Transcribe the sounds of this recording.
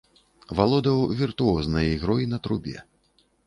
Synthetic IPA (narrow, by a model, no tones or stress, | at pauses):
valˠɔd̪ɐwvʲirt̪uɔznɐjɐiɣɾɔjinɐt̪ɾubʲɛ̰